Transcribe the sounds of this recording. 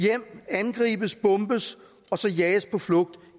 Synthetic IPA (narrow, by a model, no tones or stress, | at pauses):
jem̰ænɡ̥ʁḭːb̥əsb̥ɔ̽mb̥əs | ɒ̽sɒ̽jɛːspʰɒ̽flɔ̽ɡ̥̚d̥